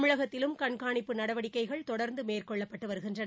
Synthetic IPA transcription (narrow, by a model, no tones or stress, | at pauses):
mɯɻɐɣɐt̪ːɪlɯmkɐɳkaːɳɪpːɯnɐɽɐʋɐɽɪkːɐɪɣɐɭt̪ɔɽɐɾnd̪ɯmeːrkɔɭːɐpːɐʈːɯʋɐɾɯɣɪndrɐn